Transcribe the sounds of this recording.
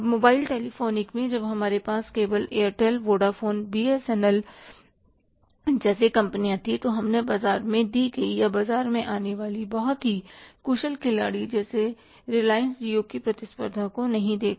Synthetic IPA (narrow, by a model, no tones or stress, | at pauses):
moːbaːɪlʈɛːlifoːnɪkmẽd͡ʒɐbɦɐmaːɾepaːskeːbəleːəɾʈɛlʋoːɖafoːnbiːesɛːnəl | d͡ʒɛːsekɐ̃mpnijãt̪ʰit̪oɦɐmnebaːzaːɾmẽd̪iɡɐijabaːzaːɾmẽʔaːneʋaːlibɐɦʊt̪ɦikuːʃəlkʰɪlaːɽid͡ʒɛːse | ɾɪlaːɪənsd͡ʒiokipɾɐt̪ɪspə̰ɾd̪ʱãkonɐɦĩd̪eːk